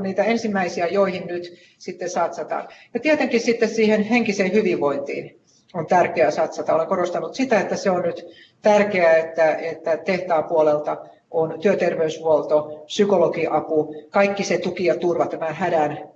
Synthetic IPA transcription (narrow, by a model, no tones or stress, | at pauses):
niːt̪æensimːæisiæjoihinnyt̪ | sit̪ːesɑt̪sɑt̪ɑ̰njɑt̪iet̪eŋkissit̪ːessiːhenheŋkiseːhyʋiʋʋoint̪ḭːn | ont̪ærkeæsɑt̪sɑt̪ɑoleŋkoɾost̪ɑnut̪sit̪æet̪ːæseonnyt̪ | t̪ærkeæet̪ːæet̪ːæt̪eht̪ɑːpuolelt̪ɑ | ʔont̪yøt̪erʋeysʋuolt̪opsykolokiʔɑpukɑikːiset̪ukiɑt̪urʋɑt̪æmæhædæn